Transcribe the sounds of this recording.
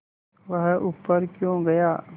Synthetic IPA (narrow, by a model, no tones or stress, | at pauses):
ʋɐɦʔuːpːəɾkjõːɡɐjaː